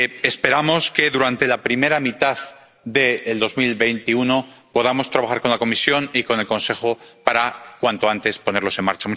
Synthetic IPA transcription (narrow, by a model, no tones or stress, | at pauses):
espe̞ɾamo̞ske̞ðuɾant̪e̞lapɾime̞ɾamit̪að | ðe̞ːld̪o̞zmilβe̞jnt̪iuno | po̞ð̞amo̞st̪ɾaβaxaɾko̞nlako̞misjo̞niko̞ne̞lko̞nse̞xo̞paɾakwant̪oant̪e̞spo̞ne̞ɾlo̞senma̰ɾt͡ʃamu